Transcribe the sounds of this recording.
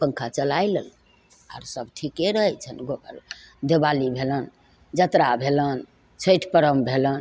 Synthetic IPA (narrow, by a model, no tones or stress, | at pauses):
pəŋkʰat͡ʃəlajləl | a̰ɾsəbʈʰikːeɾəɦɛt͡ʃʰənɡʱokə̰ɾ | d̪ebalibʱelən | d͡ʒət̪ɾabʱelən | t͡ʃʰəjʈʰpəɾəmbʱelən